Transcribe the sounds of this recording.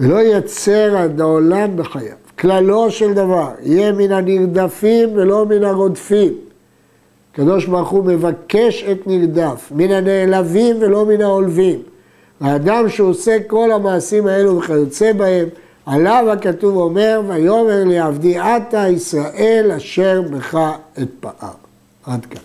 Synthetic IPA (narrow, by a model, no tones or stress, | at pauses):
lo̞jat͡seʁad̪aolambeχaja̰v̥klalo̞ʃe̞ld̪avaʁḭjeminhaniʁd̪afimve̞lo̞minaʁo̞d̪fim | akad̪o̞ʃbaʁuχume̞vake̞ʃe̞t̪niʁd̪afminhane̞ːlavimve̞lo̞minao̞lvim | aːd̪amʃeose̞ko̞lhamaːsimaeluveχajot͡sebahe̞m | alavhakat̪uvo̞me̞ʁvajomeʁliavd̪iat̪aisʁaʔe̞laʃe̞ʁbeχaet̪̚paʔa̰ | ad̪kan